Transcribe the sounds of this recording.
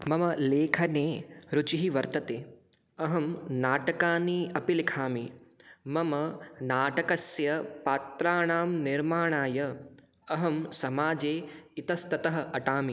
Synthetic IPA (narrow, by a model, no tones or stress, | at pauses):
mɐmɐleːkʰɐneːɾut͡ʃiɦiʋɐɾt̪ɐt̪eː | ɐɦɐmnaːʈɐkaːniɐpilikʰaːmimɐmɐnaːʈɐkɐsjɐpaːt̪ɾaːɳaːmniɾmaːɳaːjɐ | ɐɦɐmsɐmaːd͡ʒeːit̪ɐst̪ɐt̪ɐɦɐ̆ɐʈaːmi